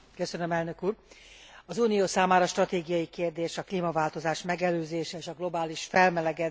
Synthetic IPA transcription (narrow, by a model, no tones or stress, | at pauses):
køsønømɛlnø̞kuːr | ɒzuːnijoːsaːmaːɾɒːʃt̪rɒt̪eːɡijɒjikeːrd̪eːʃɒkliːmɒvaːlt̪o̞zaːʃmɛɡɛløːzeːʃɛeːʃɒɡlo̞baːliʃfɛlmɛlɛɡɛd̪